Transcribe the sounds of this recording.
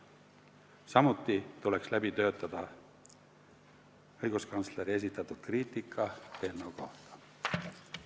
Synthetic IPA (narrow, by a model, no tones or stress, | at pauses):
sɑmut̪ˑːit̪ule̞kslæbit̪ø̞ːt̪ːˑɑd̪̥ɑ | ɤjɡ̥uskɑnt̪sleɾie̞s̬it̪ːˑɑt̪ːˑud̪̥kriːt̪ːˑikʰːˑɑhe̞lneuko̞ht̪ɑ̥